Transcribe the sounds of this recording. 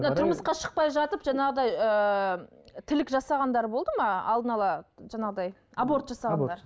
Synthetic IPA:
nt̪ʰʊɾməsqɑʃə̥q̚pɑjʒɑt̪əpʒɑɴɑʁəd̪ɑjə | t̪ʰɪlɪkʒɑsɑʁɑnd̪ɑɾbo̞lˠd̪əmɑɑ̰lˠd̪ənɑlˠɑʒɑɴɑʁəd̪ɑj | abo̞ɾt̪ʒɑsɑʁɑnd̪ɑɾ

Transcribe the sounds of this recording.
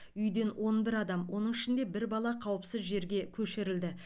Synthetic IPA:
ʏjd̪e̞nwo̞nbɪɾɑd̪ɑmwo̞nəɴɪʃɪnd̪e̞bɪɾbɑlˠɑqʰɑwəpsɪzʒe̞ɾɡʲe̞kʲʰɵʃɪɾɪld̪ɪ

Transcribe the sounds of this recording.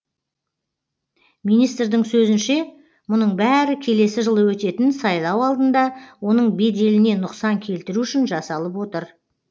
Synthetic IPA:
mijnijst̪rd̪ɪŋsɵzɪnʃe̞ | mʊnəɴbæɾɪkʲʰe̞le̞sɪʒəlˠəwɵt̪e̞t̪ɪnsɑjlˠɑwɑlˠd̪ənd̪ɑwo̞nəɴbe̞d̪e̞lɪne̞nʊqsɑŋkʲʰe̞lt̪ɪɾuʏʃɪnʒɑsɑlˠəp̬wo̞t̪əɾ

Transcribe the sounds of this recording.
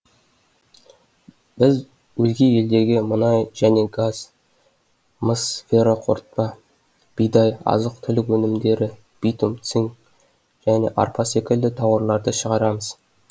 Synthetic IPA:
b̥ɪz | wɵzɡʲee̞ld̪e̞ɡʲemənɑjʒ̥æne̞ɡaz̥ | məsfʲeɾoqʰo̰ɾt̪̚pɑ | b̥ijd̪ɑjɑ̰zəq̚t̪ʰʏlɪkwɵnɪmd̪e̞ɾɪ | b̥ijt̪umt̪siŋ | ʒ̥æne̞̰ʔɑ̰ɾpʰɑse̞kʲɪld̪ɪt̪ʰɑwəɾlˠɑɾd̪əʃəʁɑɾɑməz̥

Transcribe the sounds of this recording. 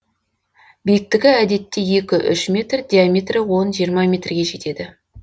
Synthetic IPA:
bejɪk̚t̪ɪɡʲɪæd̪e̞t̪ːe̞je̞kʲɪʔʏ̰ʃmʲe̞t̪rd̪ʲijamʲet̪rɪwo̞nʒijəɾmɑmʲe̞t̪rɡʲe̞ʒe̞t̪e̞d̪ɪ

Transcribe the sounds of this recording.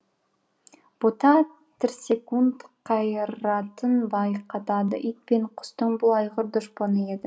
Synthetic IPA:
b̥ot̪ɑ | t̪ʰɪɾsʲe̞kunt̪qʰɑjəɾɑt̪ənbɑjqɑt̪ɑd̪əʔijt̪̚peɴqʰʊ̥st̪əɴbʊlˠɑjʁəɾd̪ʊʃponəed̪ɪ

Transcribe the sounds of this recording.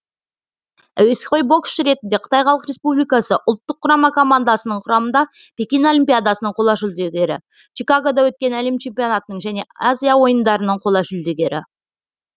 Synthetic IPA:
æ̰wesχo̞jbo̞ksɾe̞t̪ɪnd̪e̞qʰə̥t̪ɑjχɑlˠəqɾe̞spublijkɑsəʔʊlˠt̪ːəqʰːʊɾɑmɑkʰo̞mand̪asənəɴqʰʊɾɑmənd̪ɑpʲe̞kʲino̞lʲimpʲijad̪asənəɴqʰo̞lˠɑʒʏld̪e̞ɡʲe̞ɾɪ̰ | t͡ʃʰikaɡo̞d̪ɑwɵt̪̚kʲe̞næle̞mt͡ʃʰe̞mpʲijo̞nat̪ənəɴʒæne̞azʲijawo̞jənd̪ɑɾənəɴqʰo̞lˠɑʒʏld̪e̞ɡʲe̞ɾɪ̰

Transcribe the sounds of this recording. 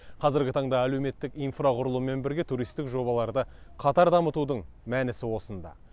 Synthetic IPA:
qʰɑzɪɾɡʲɪt̪ʰɑɴd̪ɑæle̞wme̞t̪ːɪkijnfraqʰʊɾəlˠuəme̞nbɪɾɡʲe̞t̪ʰuɾijst̪ɪkʒo̞bɑlˠɑɾd̪ə | qʰɑt̪ɑɾd̪ɑmət̪ud̪əɴ | mænɪsɪwo̞sənd̪ɑ̰

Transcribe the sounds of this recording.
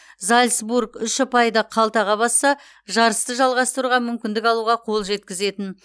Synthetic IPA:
zalʲsbuɾɡʏʃɪpʰɑjd̪ɑqʰɑlˠt̪ɑʁɑbɑsːɑ | ʒɑɾəst̪əʒɑlˠʁɑst̪əɾuʁɑmʏmkʲɪnd̪ɪkɑlˠuʁɑqʰo̞lˠʒe̞t̪̚kʲɪze̞t̪ɪn

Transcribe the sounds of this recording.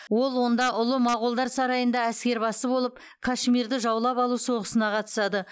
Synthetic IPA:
wo̞lˠwo̞nd̪ɑʔʊlˠəmɑqʊlˠd̪ɑɾsɑɾɑjənd̪ɑæskʲe̞ɾbɑsəbo̞lˠəp̚ | kʰaʃmʲiɾd̪ɪʒɑwlˠɑpɑlˠuso̞ʁəsənɑqʰɑt̪ə̥sɑd̪ə

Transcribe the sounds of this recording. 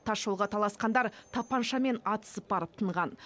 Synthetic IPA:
t̪ʰɑʃolˠʁɑt̪ʰɑlˠɑsqɑnd̪ɑɾt̪ʰɑpɑnʃɑme̞nɑt̪ə̥səp̚bɑɾəp̚t̪ʰəɴʁɑn

